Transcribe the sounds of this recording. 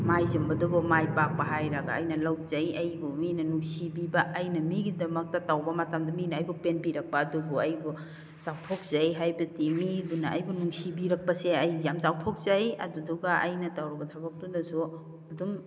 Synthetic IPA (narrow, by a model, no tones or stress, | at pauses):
majzumbɐdubumajpak̚pɐɦajɾɐɡa̰ɐ̰jnɐlawzajɐjbuminɐnuŋsibibɐʔɐjnɐmiɡidɐmɐk̚tɐtawbɐmɐtamdɐminaːjbupenpiɾɐk̚pɐːdubuɐjbu | zawtʰok̚z̥ajɦajbɐtimibunaɐjbunuŋsibiɾɐk̚pɐseɐjːamzawtʰok̚zajɐ̰duduɡaʔɐjnɐtawɾɐbɐtʰɐbɐk̚tunɐsu | ɐdum